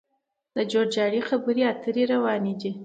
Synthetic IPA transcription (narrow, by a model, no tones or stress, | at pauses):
d̪əd͡ʒoɽd͡ʒɑɽixabəɾiat̪əɾeɾawɑned̪i